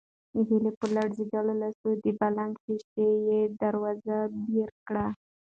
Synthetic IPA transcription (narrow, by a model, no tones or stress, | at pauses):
ɦilepəlaɽzidalolasod̪əbalaŋɡpiʃejed̪aɾwɑzabeɾkɽa